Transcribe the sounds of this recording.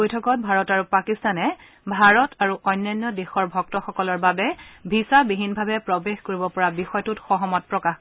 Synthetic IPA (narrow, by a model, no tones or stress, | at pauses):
ojtʰɔkɔt̚bʱaɹɔtaɹupakistanɛ | bʱaɹɔtʰaɹuʔɔjnːajnːɔdexɔɹbʱɔk̚tɔxɔkɔlɔɹbabɛbʱisabiɦinbʱabɛpɹɔbexkoɹibɔpɔɹabixɔjtutxɔɦɔmɔt̚pɹɔkax